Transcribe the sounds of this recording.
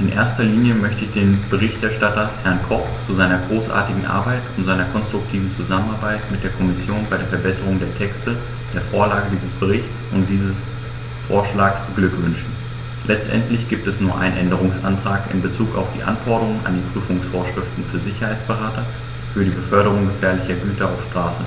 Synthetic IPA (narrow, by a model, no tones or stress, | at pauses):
ʔɪnʔḛːɐstɐliːnjəmœçtəɪçd̥eːnb̥əʁ̞ɪçtʔɛɐʃtatɐhɛɐnkʰɔpt͡suzaɪnɐɡʁoːsʔa̰ːɐtɪɡŋ̩ʔa̰ɐbaɪtʊntz̥aɪnɐkʰɔnstʁ̥ʊk̚tʰiːvn̩t͡suzamənaɐbaɪtmɪt̚d̥eːɐkʰɔmɪsjoːnbaɪɾeːɐfɛɐbɛsəʁ̞ʊŋdeːɐtʰɛkstə | d̥eːɐfoːɐlaːɡədiːzəsb̥əʁɪçt͡sʊnt̚d̥iːzəs | fo̰ːɐʃlaːksbəɡlʏkv̥ʏnʃn̩ | lʔɛt͡stʔɛ̰ntlɪçɡ̥iːp̚tɛsnuːɐʔa̰ɪnənʔɛndəʁ̞ʊŋsʔantʁ̥aːkɪ̰mbət͡suːka̰ʊfd̥ḭːʔa̰nfɔɐɾəʁʊŋənʔa̰ndiːpʁ̥yːfʊŋsfoːɐʃʁ̥ɪftn̩fyːɐzɪçɐhaɪt͡sb̥əʁaːtɐ | fyːɐɾiːbəfœɐɾəʁ̞ʊŋɡəfɛːɐlɪçɐɡyːtɐaʊfʃtʁ̥aːsə